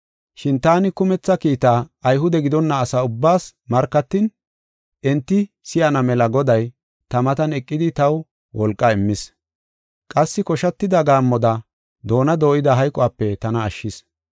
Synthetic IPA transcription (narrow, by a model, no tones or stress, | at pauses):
ʃɪnt̪aːnɪkʊmɛt͡sːɐkiːt̪aːɐjɦʊd̪ɛɡɪd̪ɔnːɐːsaːʊbːaːsmɐɾkːɐt̪ːɪn | ʔɛnt̪ːɪ | sɪjɐnɐmɛlɐɡɔd̪ɐj | t̪ɐmɐt̪ɐnɛkʼːɪd̪ɪt̪ɐw | wɔlkʼːɐɪmːɪs | kʼɐsːɪkɔʃɐt̪ːɪd̪ɐɡaːmːɔd̪ɐ | d̪o̞ːnɐd̪o̞ːʔɪd̪ɐɦɐjkʼɔaːpːɛt̪ɐnɐːʃːɪs